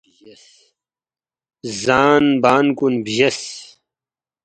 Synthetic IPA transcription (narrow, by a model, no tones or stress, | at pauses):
zaːnbaːnkunbiʑɐs